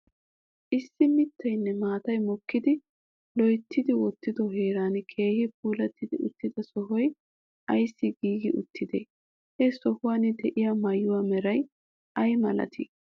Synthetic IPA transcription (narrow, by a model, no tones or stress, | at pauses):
ʔɪsːɪmɪt̪ʰːɐjnːɛmaːt̪ɐjmɔkːɪd̪ɪ | lɔjt̪ːɪd̪ɪwɔt̪ːɪd̪ɔɦeːɾaːnkʰe̞ːhɪp̚uːlɐt̪ːɪd̪ɪʔʊt̪ːɪd̪ɐsɔɦɔj | ʔɐjsːɪɡiːɡɪʔʊt̪ʰːɪd̪ḛ | hɛsɔhʊwaːnːɪd̪ɛʔɪjamɐjːʊwaːmɛɾɐj | ʔɐjmɐlɐ̰t̪ʰḭ